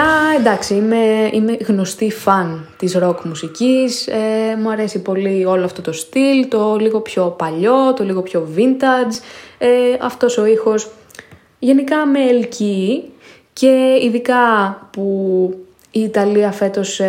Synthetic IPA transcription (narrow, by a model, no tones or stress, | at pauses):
ɐend̪ɐksiime̞ḭme̞ɣno̞st̪ifɐnt̪isɾo̞kmusicisemuɐɾe̞sipo̞lio̞loɐft̪o̞t̪o̞st̪ilt̪o̞liɣo̞pço̞pɐʎo̞t̪o̞liɣo̞pço̞vint̪ɐd͡zeɐ̰ft̪o̞so̞ixo̞s | ʝe̞nikɐmeːlci | ce̞iðikɐpu | iːt̪ɐliɐfe̞t̪o̞s